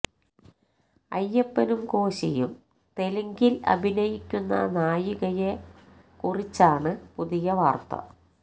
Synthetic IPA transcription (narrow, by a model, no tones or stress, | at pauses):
ɐ̰jːepːɐnumko̞ːɕijum | t̪e̞lɐŋɡilɐ̰bʱinɐjikʲːunːɐ̰naːjuɣɐje | kurit͡ɕːaːɳɨpuðijɐʋaːrt̪ɐ̰